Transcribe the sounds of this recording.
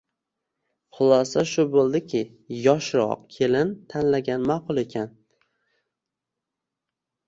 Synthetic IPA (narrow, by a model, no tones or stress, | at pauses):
χʊlˠɒsaʃʊbolˠd̪ɪkʲʰɪ | jɒʃɾɒ̰q̚kʲʰe̞lɪnt̪ʰanlaɡʲanmaqʰʊlˠe̞kʲʰan